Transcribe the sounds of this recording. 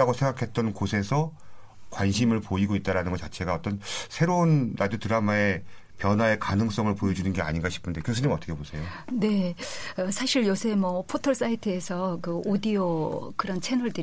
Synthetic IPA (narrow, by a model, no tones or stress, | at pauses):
aɡosʰeŋɡakʰe̞t̚t͈ʌnkosʰe̞sʰʌ | kwanɕʰimɯɭpoiɡoit̚t͈aɾanɯnŋɡʌt͡ɕat͡ɕʰe̞ɡaʌt͈ʌnsʰe̞ɾounɾʔadjotɯɾamae̞ | pjʌnwae̞kanɯŋs͈ʌŋɯɭpojʌd͡ʑunɯnɡe̞a̰ɲinɡaɕʰi̥pʰɯnde̞kjosʰɯɲimʌt͈ʌkʰebosʰe̞jone̞ʌsʰaɕʰiɭjosʰemʌpʰotʰʌɭs͈aitʰɯesʰʌkɯodiokɯɾʌnt͡ɕʰenʌɭdɯ